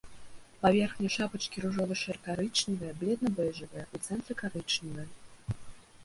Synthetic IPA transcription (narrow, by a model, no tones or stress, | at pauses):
pavʲɛrxnʲɛʂapɐt͡ʂkʲiɾuʐɔvɨʂɛrkaɾɨt͡ʂnʲivɨjɛblʲɛd̪nɐbɛʐɨvɨjɐut̪sɛnt̪ɾɨkaɾɨt͡ʂnʲivɨjɐ